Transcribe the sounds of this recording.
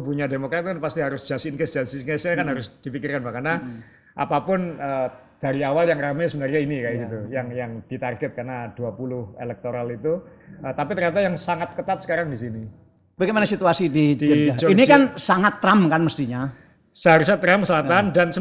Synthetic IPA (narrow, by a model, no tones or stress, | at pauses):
puɲademokɾat̪̚kanpast̪iɦaɾʊsd͡ʒ̥asinkesdd͡ʒ̥ast̪ɪsɲasɲakanɦaɾʊsd̥ifikɪrkanbakana | ʔa̰papʊnəː | d̥aɾiawaljaŋɾamɛsəbənarɲainikaɡit̪ujaŋjaŋd̥it̪arɡɛt̪̚karnad̥uapulʊhḛlɛk̚t̪oɾalit̪uət̪apit̪ərɲat̪̬ajaŋsaŋat̪̚kət̪at̪̚sə̥kaɾaŋdisini | b̥aɡɛmanasit̪uasidid͡ʒid͡ʒɔinikansaŋat̪ːɾamkanməst̪iɲa | səɦaɾusat̪ɾamkəsəlat̪andansə